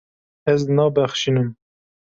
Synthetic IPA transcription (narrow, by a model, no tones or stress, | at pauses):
ɛznɑːbæxʃinɨm